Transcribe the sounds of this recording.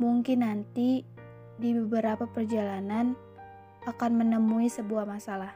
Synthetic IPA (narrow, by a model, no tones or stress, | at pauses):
muŋkɪnːant̪i | dibəbəɾapapərd͡ʒalanan | akanmənəmuisəbuahmasalah